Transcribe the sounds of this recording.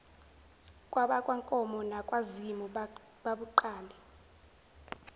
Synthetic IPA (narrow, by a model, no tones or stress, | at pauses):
kʼwaɓakʼwaŋkʼɔmɔnakʼwazimɔ | ɓaɓuǃaːlʱɛ